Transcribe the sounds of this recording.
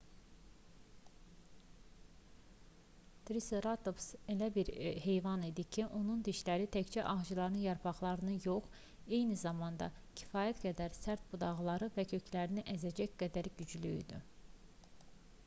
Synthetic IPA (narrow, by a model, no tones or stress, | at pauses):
t̪ɾiseɾɑt̪opse̞læbiɾhe̞jvɑnid̪icʰiʔo̞nund̪iʃlæɾit̪ʰæct͡ʃʰæʔɑʁd͡ʒɯlˠɑɾɯnɯjɑɾpʰɑχlˠɑɾɯnɯjo̞χ | e̞jnizɑmɑnd̪ɑ̰cʰi̥fɑːjæt̪ɡæd̪æɾsæɾt̪̚bud̪ɑʁlˠɑɾɯvæcʰø̞cʰlæɾiniʔæzæd͡ʒæçɡæd̪æɾɟyd͡ʒlyḭd̪y̰